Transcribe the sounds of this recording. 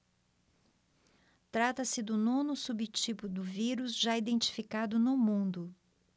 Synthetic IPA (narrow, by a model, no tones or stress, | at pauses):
t̪ɾat̪ɐsɪd̪ʊnõnʊsubɪt͡ʃipʊd̪ʊviɾʊzʒaid̪ẽnt͡ʃi̥fikad̪ʊnʊmũnd̪ʊ